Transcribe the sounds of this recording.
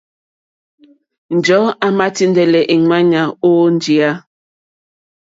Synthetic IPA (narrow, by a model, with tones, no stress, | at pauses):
n̩˨d͡ʒɔ˨˦a˨ma˦ti˦ndɛ˨lɛ˨ʔi˨ŋwa˦ɲa˨o˦n˦d͡ʒi˨a˦